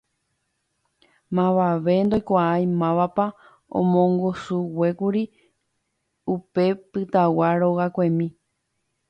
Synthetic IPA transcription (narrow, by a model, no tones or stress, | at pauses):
mãʋaʋe̞nd̪ojkʷaajmãʋapa | õ̰mõŋɡosuwe̞kuɾi | upe̞pɨt̪awaɾo̞ɣakʷẽmĩ